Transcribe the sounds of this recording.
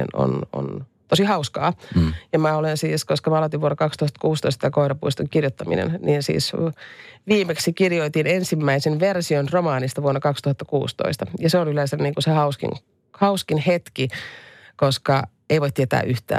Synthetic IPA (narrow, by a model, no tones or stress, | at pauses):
ḛno̰no̰n | t̪osihɑuskɑ̰ːjɑmæolensiːskoskɑmæɑlot̪iʋuonːɑkɑkst̪uhɑt̪ːɑ̥kuːst̪o̰ist̪ɑt̪ɑkoiɾɑpuist̪uŋkirjot̪ːɑmḭnḛnniːnsḭːs | ʋiːmeksikirjoit̪inensimːæisenʋersionromɑːnist̪ɑʋuonːɑkɑkst̪uhɑt̪ːɑ̥kṵːst̪o̰ist̪ɑjɑseonyleːnsemniːŋkusehɑuskḭŋ | hɑuskinhet̪ki | koskɑ | eiʋoit̪ːiet̪æ̰ːʔyht̪æ̰ː